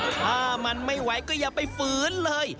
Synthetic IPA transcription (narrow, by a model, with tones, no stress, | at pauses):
aː˧˩ma˧nma˥˩jwa˨˦jkɔː˥˩jaː˨˩pa˧˩jfɯː˨˦nlɤː˧j